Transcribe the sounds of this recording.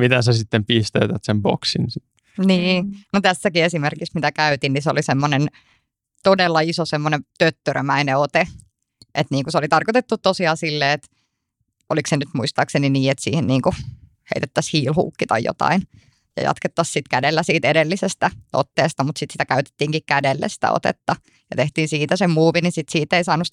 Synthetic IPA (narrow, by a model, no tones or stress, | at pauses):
mit̪æsæsit̪ːempist̪eyt̪æt̪sembo̰ksinsit̪ː | niːnot̪æsːækiesimerkiksmit̪ækæyt̪inniseo̰lisemːonen | t̪odelːɑisosemːonet̪øt̪ːørmæineot̪e | ʔet̪niːŋkuseolit̪ɑrkot̪et̪ːut̪t̪ːosiɑːsilːeːet̪ | oliksenyt̪muist̪ɑːkseniniːet̪sḭːhenniːŋku | hḛit̪et̪ːæshiːlhṵːkːit̪ɑ̰jjo̰t̪ɑ̰in | jɑ̰jɑ̰t̪ket̪ːɑssit̪kædelːæsiːt̪edelːisest̪æo̰t̪ːeːst̪ɑmut̪sit̪sit̪ækæyt̪e̥t̪ːiːŋkikkædelːḛsi̥t̪æ̰o̰t̪ḛt̪ːɑ | jɑt̪eht̪iːnsiːt̪æsemmuːʋinisit̪siːt̪eisɑːnus